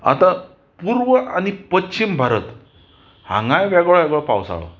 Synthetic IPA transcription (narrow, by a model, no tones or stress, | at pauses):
a̰t̪a | puɾʋəʔañipətːɕimbʱaɾət̪ | hã̰ŋɡajʋɛɡɭaʋɛɡɭapawsa̰ɭə̰